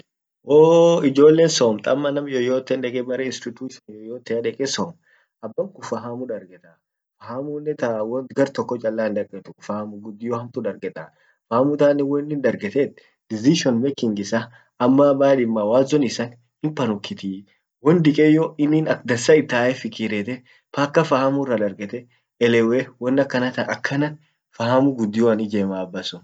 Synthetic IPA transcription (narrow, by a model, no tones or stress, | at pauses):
ʔoːɪd͡ʒo̞ːlːeːnsoːmt̪ʼɐmːɐnɐmjɔjoːt̪ːɛnᶑɛkʼɛbɐɾɛɪnst̪ɪt̪uːʃɔnjɔjoːt̪ːɛɐᶑɛkʼɛsoːm | ɐbːɐmkʊfɐɦamʊᶑɐɾɡɛt̪ʼɐ | fɐhamuːnːɛt̪awɔnɡɐɾt̪ɔkːɔt͡ʃʼɐlːaːnd̪ɐkʼɛt̪ʊfaːmʊɡʊd̪ːɪjɔhɐmt̪ʊᶑɐɾɡɛt̪ʼɐ | faːmʊt̪aːnːɪwɔnːɪnd̪ɐɾɡɛt̪ɛt̪ | d̪̥ɪziʃɔnmɛkɪŋɡɪsaː | mːabaːᶑɪmːaːwaːzɔnɪsan | hɪmpɐnʊkːɪt̪iː | wɔnd̪ɪkʼɛjːɔɪnːiːnɐk̚d̪ɐsɐɪt̪ːaːʔɛfɪkiɾɛt̪ɛ | paːkːɐfahɐmʊrɐd̪ɐɾɡɛt̪ɛ | ɛlɛwewɔnːɐkːɐnɐt̪ɐʔɐkʰːɐnɐn | fɐhɐmʊɡʊd̪ːɪjɔɐnɪd͡ʒeːmaːbːɐsʊn